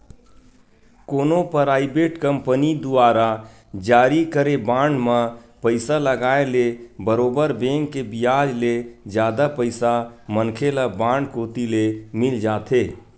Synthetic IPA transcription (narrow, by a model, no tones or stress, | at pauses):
koːnopəɾaːɪbeːʈkəmpənid̪uaːɾa | d͡ʒaːɾikəɾebãːɳɖmə̃pəɪsaləɡaːelebəɾoːbəɾbẽːŋkːebijaːd͡ʒled͡ʒjaːd̪apəɪsamənkʰelabãːɳɖkoːt̪ilemɪld͡ʒaːt̪ʰeː